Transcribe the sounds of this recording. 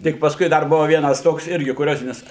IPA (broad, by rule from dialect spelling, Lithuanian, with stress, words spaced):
ˈtʲɪk pɐsˈkʊɪ ˈdɐr ˈbʊʋɐ ˈʋʲiɛnɐs ˈtoːks ˈɪrʲɡʲɪ kʊˈrʲoːzʲɪnʲɪs